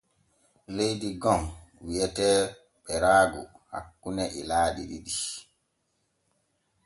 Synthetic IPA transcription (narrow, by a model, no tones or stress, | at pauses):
lejdiɡɔŋwiɛtɛː | ɓɛɾaːɡuha̰kːunɛʔḭlaːɗḭɗiɗi